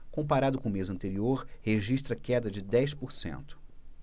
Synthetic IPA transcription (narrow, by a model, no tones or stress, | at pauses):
kõpaɾad̪ʊkõʊmezɐ̃nt̪eɾioɾheʒiʃt̪ɾɐkɛd̪ɐd͡ʒɪd̪ɛjspoɾsḛ̃nt̪ʊ̥